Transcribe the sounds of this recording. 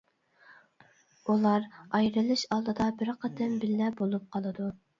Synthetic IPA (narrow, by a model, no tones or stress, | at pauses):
ulˠɑɾɑjɾɨlˠɨʃɑlˠd̪ɨd̪ɑbɪɾqʰɑd̪ɪmbɪlːɛbolˠup̚qʰɑlˠɨd̪u